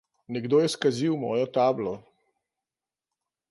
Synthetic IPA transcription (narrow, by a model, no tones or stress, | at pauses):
nɛɡd̪oːjɛskaziwmɔ̰ːjɔt̪aːblɔ